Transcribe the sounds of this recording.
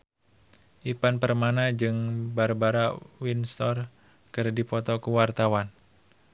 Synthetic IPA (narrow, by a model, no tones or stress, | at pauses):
ʔipanpərmanad͡ʒɨŋbaɾabaɾawinst̪ɔr | kɨrdipɔt̪ɔkuwart̪awan